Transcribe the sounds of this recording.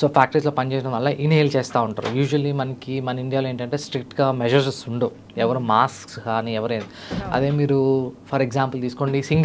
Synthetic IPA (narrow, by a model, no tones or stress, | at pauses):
so̞ːpʰaːk̚ʈɐɾis̬lo̞ːpɐnit͡ʃeːs̬inɐʋɐɭːɐʔineːjlt͡ʃeːst̪aːuɳʈa̰ːɾṵjuːʒuʋɐlːimɐnɐkimɐnɐiɳɖijaːloeːɳʈɐɳʈe̞ːsʈɾik̚ʈɡaːmɛʒɐɾssuɳɖuː | ɛʋɐɾumaːskskaːniːɛʋɐɾeːnd̪iɐ̰d̪e̞ːmiːɾupʰɐɾeɡzaːmpɐlt̪iːsu̥ko̞ːɳɖisiŋɡ